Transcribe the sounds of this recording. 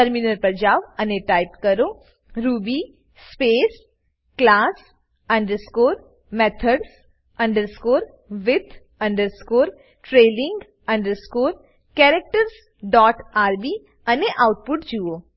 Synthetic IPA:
əɾminəɾpəɾd͡ʒaːʋɐneʈaɪpkəɾo | ɾubi | speːs | klaːs | ɐ̃ɳɖəɾskoːɾ | met̪ʰəɖs | ɐ̃ɳɖəɾskoːɾ | ʋɪt̪ʰ | ɐ̃ɳɖəɾskoːɾ | ʈɾeːlɪŋɡ | ɐ̃ɳɖəɾskoːɾ | kɛɾek̚ʈəɾs | ɖɔːʈaːɾbiː | ɐneʔawʈ̚pʊʈd͡ʒuo

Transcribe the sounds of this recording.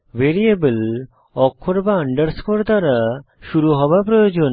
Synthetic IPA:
ʋeɾiebəl | ɔkʰːoɾbaəɳɖəɾskoɾd̪aɾa | ʃuɾuɦɔbapɾojod͡ʑon

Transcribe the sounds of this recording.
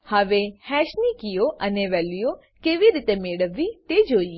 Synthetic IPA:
haʋehɛːʃnikijoʔɐneʋɛːlijo | keːʋiɾit̪emeːɽəʋit̪ed͡ʒoːi

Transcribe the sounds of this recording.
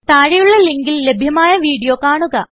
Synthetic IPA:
t̪aːɻijuɭːɐliŋɡilːe̞bʱjɐmaːjɐʋiːɽijo̞ːkaːɳuɣɐ

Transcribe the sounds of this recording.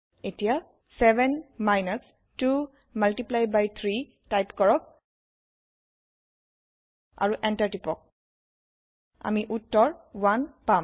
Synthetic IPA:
etija | sɛbɛnmajnɔs | tu | maltiplajbajt̪ʰɹi | tajpkɔɹɔk̚ | a̰ɹuʔɛntaɹtipɔk̚ | a̰miʔutːɔɹwanpa

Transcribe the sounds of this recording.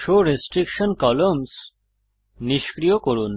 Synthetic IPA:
ʃoɾesʈɾikʃɔnkɔloms | niʃkɾijokoɹun

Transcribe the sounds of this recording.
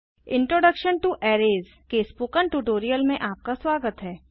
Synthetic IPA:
ɪ̃ɳʈɾoːɖəkʃənʈuʔɛːɾeːz | kespukəɳʈuʈoːɾijəlmẽʔaːp̚kaswaːɡət̪ɦɛː

